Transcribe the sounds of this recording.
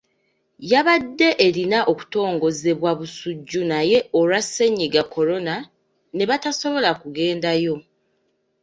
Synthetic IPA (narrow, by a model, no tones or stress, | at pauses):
jaβadːe̞ʔeɾinaʔo̞ku̥to̞ːŋɡo̞ze̞βwaβusuɟːunaje̞oɾwasːe̞ɲːiɡako̞ɾo̞na | ne̞βataso̞βo̞lakuɡe̞ːndajo̞